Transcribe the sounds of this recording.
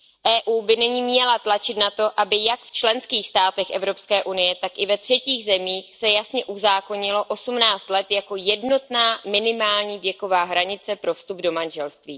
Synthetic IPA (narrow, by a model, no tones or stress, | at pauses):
ʔɛːʔuːbɪnɛɲiːmɲɛlat̪lat͡ʃɪt̪nat̪o̞ʔabɪjakft͡ʃlɛnskiːxst̪aːt̪ɛxʔɛvɾo̞pskɛːʔunɪjɛt̪akʔɪvɛt̪r̝̥ɛciːɣzɛmiːxsɛjasɲɛʔuzaːko̞ɲɪlo̞ʔo̞sumnaːt͡st̪lɛt̪jako̞jɛdno̞t̪naːmɪnɪmaːlɲiːvjɛko̞vaːɦɾaɲɪt͡sɛpɾo̞fst̪ubdo̞manʒɛlst̪viː